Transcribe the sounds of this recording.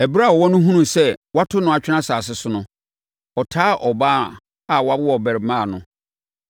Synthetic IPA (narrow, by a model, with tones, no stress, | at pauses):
ɛ˨bɾa˦˨ɔ˨wɔ˦nʊ̃˦ɦũ˦nũ˦˨sɛ˦wa˦tʰʊ˦nʊ̃˦a˨t͡ɕᶣɪ˦ã˦saː˨s̬ɪ˦sʊ˦nʊ̃˦ | ɔ˨tʰaː˦ʔɔ˨ba˦˨ | a˨wɔ˨a˦bɪ˦wɔ˨bɛ˨ɾɪ˨˦mãː˦˨nʊ̃˨